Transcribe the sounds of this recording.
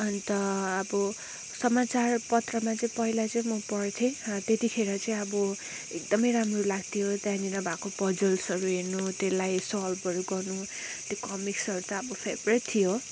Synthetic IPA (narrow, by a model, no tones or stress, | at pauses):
ʌnt̪ʌːbʌ | sʌmat͡sarpʌt̪rʌmat͡sʌĩpʌɦilat͡sʌĩmʌpʌrt̪ʰẽt̪et̪ikʰeɾʌt͡sʌ̃ĩʌbʌ | ek̚d̪ʌmʌjɾamrʌlaɡt̪ʰijot̪jãninʌbʱakopʌd͡zʌlsʌɾuɦernut̪elajsʌlbʌɾuɡʌrnu | t̪jokʌmiksʌɾut̪ʌʌbʌpʰebret̪t̪ʰːijo